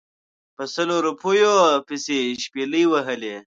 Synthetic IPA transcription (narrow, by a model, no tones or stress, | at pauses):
pəsɐloɾupʰojopiseʃpeləjwɐɦəle